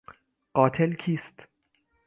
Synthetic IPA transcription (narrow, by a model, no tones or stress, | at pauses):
ɢ̥ɒːt̪ʰelkʰiːst̪